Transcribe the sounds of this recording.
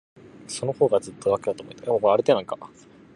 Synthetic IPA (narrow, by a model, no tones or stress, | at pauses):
so̞no̞ho̞ːɡad͡zɨt̪ːo̞d̪ake̞d̪at̪oːmoit̪ajamomoaɾɯ̟t̪eːnãŋka